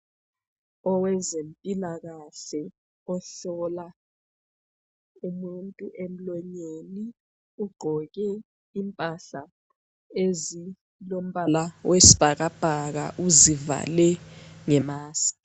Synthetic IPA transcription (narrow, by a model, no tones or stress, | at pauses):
ɔwɛzempʼilaɣaɬɛ | ɔɬɔla | umuntʼuʔem̩lɔɲeni | uɡ͡ǃʱɔɣ̬ɛ | impʼaɬa | ezi | lom̩balawʔesi̥b̥ʱaɣ̬ab̥ʱaɣ̬a̰ʔuziva̰lɛŋɛmaːsi̥